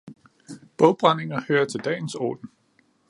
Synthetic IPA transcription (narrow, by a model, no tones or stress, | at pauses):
b̥ɔʊb̥ʁane̝ŋɐhøːɐt͡sʰe̝ld̥ɛ̰ːn̩sɒ̰ːd̥n̩